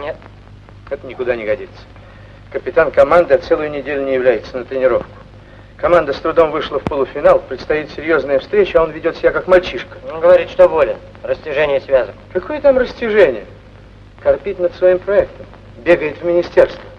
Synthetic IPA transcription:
nʲet̪̚ | ɛt̪ənʲɪkʊd̪anʲɪɡɐdʲit̪sə̥ | kəpʲɪt̪ankɐmand̪ɨɐt̪sɛlˠʊjʊnʲɪdʲelʲʊnʲɪjɪvlʲæjɪt̪sənət̪ɾʲɪnʲɪɾo̞fkʊ̥ | kɐmand̪əst̪ɾʊd̪o̞mvɨʂlˠəfpolˠʊfʲɪnalˠpɾʲɪt̪st̪ɐjit̪sʲɪɾʲjo̞znəjəfst̪ɾʲet͡ɕɪɐo̞nvʲɪdʲo̞t̪sʲɪbʲakakmɐlʲt͡ɕiʂkə̥ɡəvɐɾʲit̪ʂt̪obolʲɪ | rəsʲtʲɪʐɛnʲɪjəsvʲazənkɐkʰojət̪amrəsʲtʲɪʐɛnʲɪjə | kɐrpʲitʲnəd̪svɐimpɾɐɛkt̪əm | bʲeɡəjɪt̪vmʲɪnʲɪsʲtʲe̞rst̪və

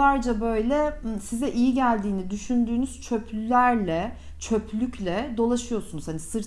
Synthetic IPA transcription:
aɾd͡ʒabø̞jlʲɛsizɛʔijiɟælʲd̪iːnid̪yʃynd̪yːnyz̥t͡ʃʰø̞pʰlʲylʲæɾlʲɛ | t͡ʃʰø̞pʰlʲycʰlʲɛd̪o̞lˠaʃɯjo̞sunuzhanisɯɾ

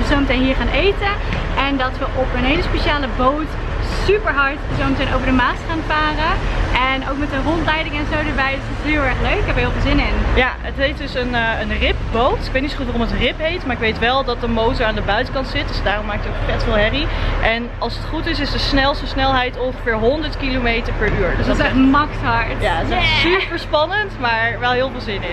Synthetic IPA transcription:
əzowmətejnɦiːɹχaːnʔejtəɛndɑtʋəʔɔpənɦejləspeʃaːləbowt | sypəɹɦɑɹtzowmətenowvəɹdəmaːstχaːnfaːrəʔɛnowkmɛtənrɔntlɛjdɪŋɛnzowdəɹʋɛjdəsɪtsɦɪːlˠɛɹχløɥkɪkɦɛpəɦɪːlˠvɪlˠzɪnɪnjaətɦejtdʏsənənrɪp̚bowtɪk̚ʋɛejtnitsoχxutʋarɔmətrɪpɦejtmaːɹɪkʋejtʋɛlˠdɑt̚dəmowtəɹaːndəbœɥtəkɑntsɪt̚dəsdaːrɔmaːk̚təokfɛtfɪːlˠɦɛriʔɛn | ɑlˠsətχutɪsɪsdəsnɛlˠstəsnɛlˠɦɛjtɔnχəfɪːɹɦɔndəɹtkilomejtəɹpɛɹyːɹdsdsɛmɑktɑɹtjasɛsypəɹspɑnəntmaːɹʋɛlˠɦɪːlˠvɪːlˠzɪnɪ

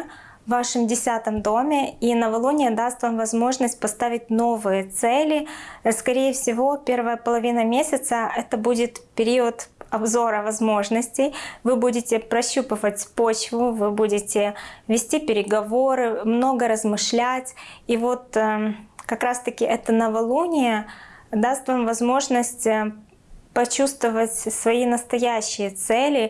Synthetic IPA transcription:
vːaʂɨmdʲɪsʲat̪əmd̪o̞mʲɪinəvɐlˠunʲɪjəd̪ast̪vamvɐzmo̞ʐnəsʲt̚ʲpɐst̪avʲɪt̚ʲno̞vɨjət̪sɛlʲɪskɐɾʲejəfsʲɪvo̞pʲe̞rvəjəpəlˠɐvʲinəmʲesʲɪt̪səɛt̪əbudʲɪt̪pʲɪɾʲiət̪ɐbzo̞ɾəvɐzmo̞ʐnəsʲtʲɪjvɨbudʲɪtʲɪpɾɐɕːupəvətʲpo̞t͡ɕvʊvɨbudʲɪtʲɪvʲɪsʲtʲipʲɪɾʲɪɡɐvo̞ɾɨmno̞ɡəɾəzmɨʂlʲætʲivo̞t̪ | kɐkɾast̪əkʲɪʔɛt̪ənəvɐlˠunʲɪjəd̪ast̪vamvɐzmo̞ʐnəsʲtʲ | pɐt͡ɕust̪vəvətʲsvɐinəst̪ɐjæɕːɪjət̪sɛlʲɪ

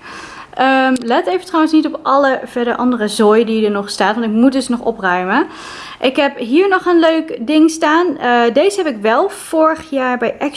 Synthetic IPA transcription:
ʔəmlɛtejvətrɔwənsnitɔpʔɑləv̥ɛɹdəɹʔɑndərəzojdidəɹnɔχstaːtʋɑntɪkmut̚dɵsnɔχɔ̰prœɥmə | ʔɪkɦɛpɦiːɹnɔχənløɥkdɪŋstaːndejzəɦɛpɪkʋɛlˠv̥ʊːɹəχjaːɹbɛjʔɛk

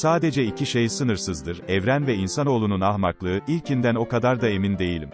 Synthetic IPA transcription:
saːd̪e̞d͡ʒɛicʰiʃejsɯnɯɾsɯzd̪ɯɾɛvɾænvɛinsano̞lˠununahmaklˠɯɯʔilʲcind̪æno̞kad̪aɾd̪ae̞mind̪e̞jilʲim

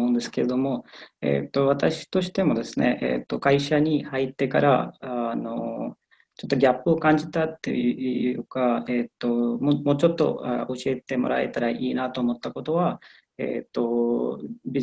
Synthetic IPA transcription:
oɯ̃nd̪e̞sɨ̥ke̞ɾed̪o̞mo̞e̞̰ːt̪ːo̞β̞at̪aɕi̥t̪o̞ɕi̥t̪e̞mo̞d̪e̞sɨne̞ʔḛːt̪ːo̞kaiɕaɲ̟ihait̪ːe̞ka̰ɾa̰no̞ | t͡ɕo̞t̪ːo̞ɡʲapːɯ̟o̞kãɲ̟d͡ʑit̪at̪ːe̞̰jɯɯ̟ːkaeːt̪ːo̞momo̞ːt͡ɕo̞t̪ːo̞̰ao̞ɕie̞t̪e̞mo̞̰ɾa̰e̞̰t̪aɾaʔiːnat̪o̞ːmo̞t̪ːako̞t̪o̞βa | ḛːt̪ːo̞ | bʲi

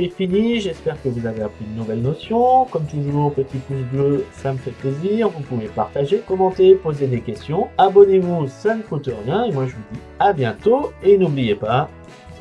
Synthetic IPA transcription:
efiniʒɛspɛʁkəvuzaveapχinnuvɛlnɔsjɔ̃kɔmt̪uʒuːʁpət̪ipus̬bløsaməfɛt̪̚pleziʁvupuvepa̰ʁt̪aʒekɔmɑ̃t̪epozed̪ekʲɛst̪jɔ̃abɔnevusanəkut̪əʁjɛ̃emwaʒəvud̪i | abjɛ̃t̪oenublijepa

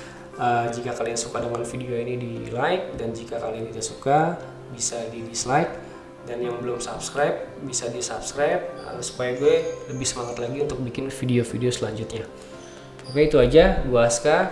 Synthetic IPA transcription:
ʔəd͡ʒikakaliansukadəŋanfideoinidilaɪk̚dand͡ʒikakaliant̪idasuka | bisadidislajk̚ | danjaŋbəlʊmsapskɾajp̚bisadisapskɾajp̚ə̰su̥pajaɡuɛləbɪhsəmaŋat̪laɡiunt̪ʊk̚bikɪnfideofideosəlaɲd͡ʒʊt̪̚ɲa | okeit̪uad͡ʒabuaska

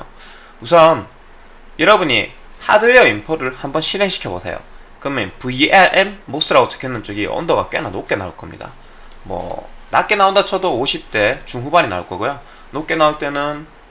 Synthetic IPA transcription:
o | musʰʌn | jʌɾʌbuɲi | ha̰dɯɾejʌimpʰoɾɯɭhambʌnɕʰineŋɕʰi̥kʰjʌbosʰe̞̰jo̰ | kɯmenpuiʔeɾʔemːos͈ʰɯɾaɡot͡ɕʰɯ̥kʰenːɯnt͡ɕ͈ʌɡiʌ̰ndʌɡak͈e̞nanok͈e̞nauɭk͈ʌmɲḭda̰ | mwʌ̰na̰k͈e̞naondat͡ɕʰʌdooɕʰip̚t͈e̞t͡ɕuŋɦubaɾina̰ɭk͈ʌɡojo | nok͈e̞nauɭt͈e̞nɯn

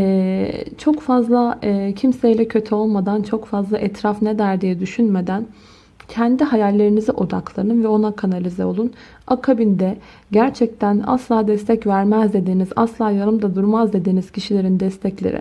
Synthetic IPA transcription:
ɛt͡ʃʰo̞kfazlˠacʰimsejlʲɛcʰø̞t̪ʰyo̞lˠmad̪ant͡ʃʰo̞kfazlˠaʔɛt̪ʰɾafned̪æɾd̪ijɛd̪yʃynmed̪æn | cʰɛnd̪iɦajalʲːe̞ɾiniziʔo̞d̪a̰klˠaɾɯɯnvɛo̞nakʰanalʲizɛo̞lˠun | akʰabind̪ɛ | ɟæɾt͡ʃʰɛc̚t̪ʰæna̰slˠaːd̪ɛst̪ʰɛcvæɾmæzd̪e̞d̪iːniza̰slˠaːjaɾɯmd̪ad̪uɾmazd̪e̞d̪iːniz̥cʰiʃilʲe̞ɾind̪ɛst̪ʰɛclʲḛɾɪ̰

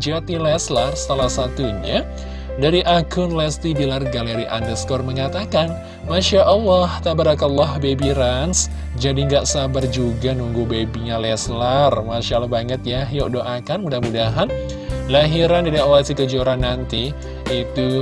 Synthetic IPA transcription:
d͡ʒat̪ilɛslarsalahsat̪uɲa | daɾiʔakʊnlɛst̪idilarɡaləɾiʔa̰ndərskɔrməŋat̪akan | maʃaʔəlːɔht̪abaɾakalːɔhbebiɾans | d͡ʒadiŋɡaʔsabard͡ʒuɡanuŋɡubebiɲalɛslarmaʃalahbaŋət̪̚jahjɔʔdoʔakanmudahmudaɦan | laɦiɾandidiawasikəd͡ʒoɾanːant̪i | it̪u

